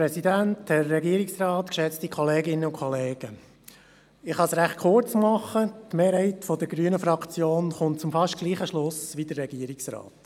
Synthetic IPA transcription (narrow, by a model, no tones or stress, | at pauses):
ɾɛsidænthɛrːɛɡiːəɾɪksrɑːtkʃɛt͡stikʰɔleːɡɪnːəʊkχɔleːɡ̥ə | ɪχhɑsɾæχt̚kʰʊɾt͡smɑχːətmeːɾhɛɪtfɔdəɾɡɾyənəfɾɑkʰt͡sjoːnχʊnt̚t͡sʊmfɑʃtɡ̥liːχəʃlʊsʋid̥ərːɛɡ̥iːəɾɪksɾɑ̰ːt